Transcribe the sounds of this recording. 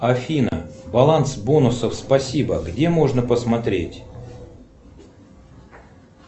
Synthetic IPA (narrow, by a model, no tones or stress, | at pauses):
ɐfʲinə̰bɐlˠansbo̞nʊsəfspɐsʲibəɡdʲe̞mo̞ʐnəpəsmɐt̪ɾʲetʲ